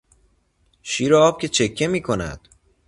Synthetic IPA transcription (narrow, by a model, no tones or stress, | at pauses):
ʃiːɾeɒːb̥̚cʰʲe̞t͡ʃʰe̞kʰːe̞miːkʰo̞næ̰d̪̥